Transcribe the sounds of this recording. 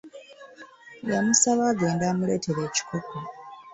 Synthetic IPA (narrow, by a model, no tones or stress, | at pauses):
jamusaβaːɡe̞ːndaːmule̞ːtʰe̞ɾe̞ːci̥koko